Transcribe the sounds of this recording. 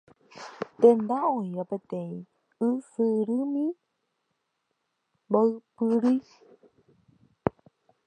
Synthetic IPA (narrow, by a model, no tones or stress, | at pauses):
t̪ẽnd̪aõĩɾapẽt̪ẽĩ | ɨsɨɾɨmĩ | boɨpɨɾi